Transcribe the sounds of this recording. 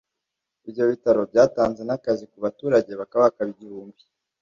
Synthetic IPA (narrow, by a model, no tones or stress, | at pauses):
ibjo̞βitaɾo̞bɟaːtaːnze̞nakazikuβatuːɾaɟe̞βakaβaβakaβiɟiɾuːmbi